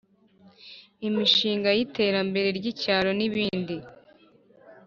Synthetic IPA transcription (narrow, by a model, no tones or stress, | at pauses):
imiʃiːŋɡajite̞ːɾambe̞ɾe̞ɾɟicaːɾo̞niβiːndi